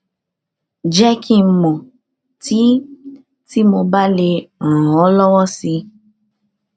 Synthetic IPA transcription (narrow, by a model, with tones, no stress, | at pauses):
d͡ʒɛ˦kʰi˦m̩˨mɔ̃˨ | ti˨˦ | ti˦mo˧ba˦le˧ɾ̃ɔ̃˨ɔ˨˦lɔ˦wɔ˦si˧